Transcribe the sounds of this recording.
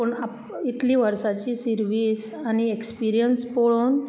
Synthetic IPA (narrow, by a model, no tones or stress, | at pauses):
pəɳa | it̪liːʋəɾsat͡ɕiːsiɾʋis | aɽ̃iekspiɾijənspoɭon